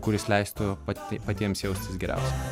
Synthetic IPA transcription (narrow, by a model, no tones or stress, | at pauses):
kʊɾʲɪslʲɛɪst̪ʊppɐt̪ʲiɛmsjɛʊsʲt̪ʲɪsɡʲɛɾʲæ̰ˑʊsʲɛ